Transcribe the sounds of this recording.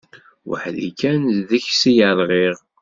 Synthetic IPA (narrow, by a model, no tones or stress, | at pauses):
wə̰ħlḭkænðəçsijəðˤʁiʁ